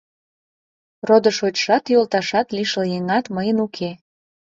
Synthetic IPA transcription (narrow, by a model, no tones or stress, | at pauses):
rod̪əʃot͡ɕʃɑt̪jolˠt̪ɑʃɑt̪liʃəljeŋɑt̪məjənukʰe